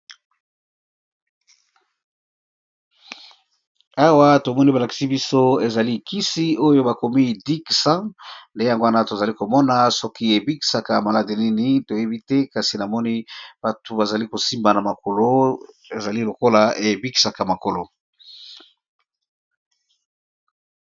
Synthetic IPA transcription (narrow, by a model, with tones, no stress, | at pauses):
a˦wa˦to˨mɔ˦ni˦ba˨la˨ki̥˨si˦bi˦so˦e˨za˨li˦˨ki˦si˦o˦jo˦ba˨ko˨mi˦di˦ksã˦nde˦ja˨ŋɡo˦a˦na˦to˨za˨li˦ko˨mɔ˦na˨sɔ˦ki˦e˨bi˦ki̥˨sa˨ka˨ma˨la˦de˨ni˦ni˦to˨je˦bi˦tɛ˦ka˨si˨na˨mɔ˦ni˦b̥a˨tu˨ba˨za˨li˦ko˨si˦mba˨na˨ma˨ko˨lo˦ | e˨za˨li˦lo˨ko˦la˨e˨bi˦ki̥˨sa˨ka˨ma˨ko˨lo˨